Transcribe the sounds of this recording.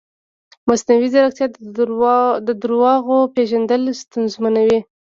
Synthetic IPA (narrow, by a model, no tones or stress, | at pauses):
masnawizaɾakt̪jɑ | d̪əd̪əɾwɑɣopeʒand̪əlst̪anzmanawi